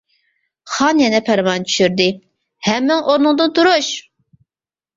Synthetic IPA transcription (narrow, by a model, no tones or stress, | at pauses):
χɑnjɛnɛpʰæɾmɑnt͡ʃʰy̥ʃyɾd̪ɪ | hɛmːɪŋʔoɾnɨŋd̪ɨnt̪ʰuɾuʃ